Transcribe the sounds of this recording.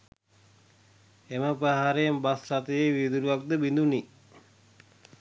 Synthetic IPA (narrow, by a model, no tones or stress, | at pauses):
eməpəɦaɾejembasrat̪ejeʋid̪uɾuʋak̚d̪əbind̪uni